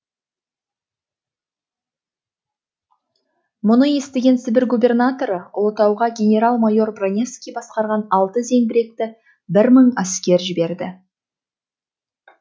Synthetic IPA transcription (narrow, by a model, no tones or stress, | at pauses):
mʊnəje̞st̪eɡʲe̞nt̪sɪbʲeɾɡube̞rnat̪o̞ɾəʊlˠət̪ɑwʁɑɡʲe̞nʲe̞ɾalˠmajo̞rbranʲe̞fskʲijbɑsqɑɾʁɑnɑlˠt̪əze̞ŋbɪɾe̞k̚t̪ɪ | bɪɾməɴaskʲe̞ɾʒɪbe̞ɾd̪ɪ